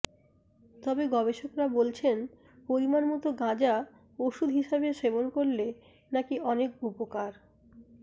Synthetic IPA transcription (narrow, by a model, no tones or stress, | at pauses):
t̪ɔbeɡɔbeʃokɾabolt͡ɕʰen | poɾimaɾmɔt̪oɡãd͡ʑa | oʃud̪ʱɦiʃabeʃebonkoɾle | nakiʔɔnek̚upokaɾ